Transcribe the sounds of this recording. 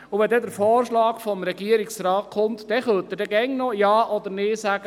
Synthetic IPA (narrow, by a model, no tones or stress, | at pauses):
ʊʋɛd̪ɛd̪əɾfɔːɾʃlɑːkfɔmɾɛɡiəɾiksɾɑːtkʰʊmt̪d̪ɛχœlt̪ədɛɡɛŋnɔjɑːʔɔd̪əɾnɪːsæɡ̥ə